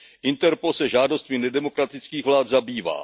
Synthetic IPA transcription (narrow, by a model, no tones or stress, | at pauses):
ʔɪnt̪ɛɾposɛʒaːdo̞st̪mɪnɛdɛmo̞kɾat̪ɪt͡skiːɣvlaːt̪zabiːva̰ː